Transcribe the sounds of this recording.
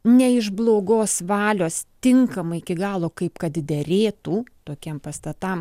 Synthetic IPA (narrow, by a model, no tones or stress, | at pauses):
nʲɛɪʒblˠoːɡoːsʋɑːlʲoːst̪ʲɪŋkɐmɐɪɪkʲɪɡɑːlˠoːkɐɪpkɐt̪d̪ʲɛɾʲeːt̪uːt̪oːkʲɛmpɐst̪ɐt̪ɐm